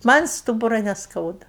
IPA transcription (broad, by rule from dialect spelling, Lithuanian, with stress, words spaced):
ˈmɐnʲ ˈstuːbʊrɐ nʲɛsˈkɐʊdɐ